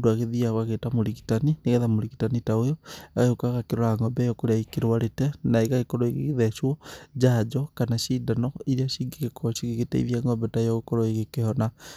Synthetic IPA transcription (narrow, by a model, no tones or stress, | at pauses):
duaɣeðiaɣwaɣetamoɾiɣi̥tanineɣɛðamoɾiɣitanitaojoaɣahokaɣakeɾoɾaŋɡɔbɛjɔkoɾeaikeɾwaɾetɛnaeɣaɣekɔɾoeɣeɣeðɛʃwɔd͡ʒaːd͡ʒɔkanaʃiːdanɔiɾiaʃiŋɡikekʰɔʃiɣiɣetɛ̰ḭβjaŋɡɔbɛtajɔɣekɔɾɔeɣekehɔna